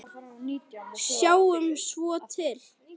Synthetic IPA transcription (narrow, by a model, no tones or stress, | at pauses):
sjawʏmsvɔt̪ʰɪl